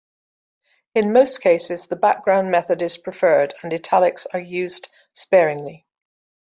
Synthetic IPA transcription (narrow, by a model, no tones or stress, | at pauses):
ɪ̃nməʊskʰeɪsɪzðəbak̚ɡ̥ɹãʊ̃nmɛθədɪz̥pʰɹ̥ɪfɜːdə̃nɪtʰalɪksəjʉːzd̥ | spɛːɹɪ̃ŋli